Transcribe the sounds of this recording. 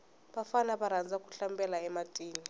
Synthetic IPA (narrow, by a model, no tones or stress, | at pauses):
ɓafanaɓaɾand͡zʱakʼu̥ɬambʼɛlaɛmatʼiːni